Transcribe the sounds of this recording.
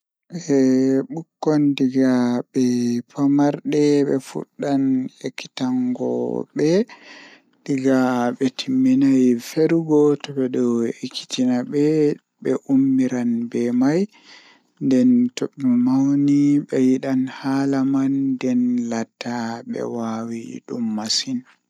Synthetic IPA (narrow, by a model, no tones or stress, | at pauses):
ʔɛɓukːɔndiɡabɛpamaɾɗɛɓɛ̰fṵɗːanekːi̥taŋɡɔ̰ɓɛ | diɡaɓɛtʰimːinajfeɾuɡɔtɔɓɛɗɔekʰːi̥tinaɓɛ | ɓɛʔumːiɾanbɛmaj | ndɛntoɓimawniɓɛjiɗanhalamandɛnlatʰːaɓɛ̰wawiɗumːasin